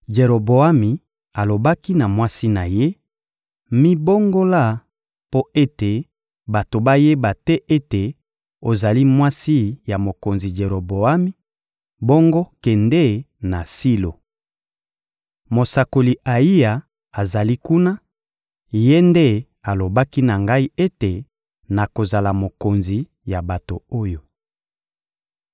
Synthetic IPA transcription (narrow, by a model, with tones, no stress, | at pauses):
d͡ʒe˨ʁo˨bo˨a˦mi˨ | a˨lo˨ba˦ki˦na˨mwa˦si˦na˨je˦ | mi˦bo˦ŋɡo˦la˦˨ | po˦e˦te˨ | ba˨to˨ba˦je˦ba˨tɛ˦ʔe˦te˨ | o˨za˨li˦mwa˦si˦ja˨mo˨ko˨nzi˨d͡ʒe˨ɾo˨bo˨a˦mi˦ | bo˦ŋɡo˦kɛ˨ndɛ˦˨ | na˨si˦lo˨ | mo˨sa˨ko˨li˨a˨i˦a˨ | a˨za˨li˦ku˦na˦ | je˦nde˦ | a˨lo˨ba˦ki˦na˨ŋɡa˦i˦e˦te˨ | na˨ko˨za˨la˨mo˨ko˨nzi˨ | ja˨ba˨to˨o˦jo˨